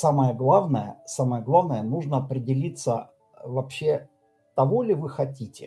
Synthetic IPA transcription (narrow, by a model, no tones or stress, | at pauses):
saməjəɡlˠavnəjə̰saməjəɡlˠavnəjənuʐnəɐpɾʲɪdʲɪlʲit̪sə | vɐpɕːe̞ | t̪ɐvolʲɪvɨxɐtʲitʲɪ̰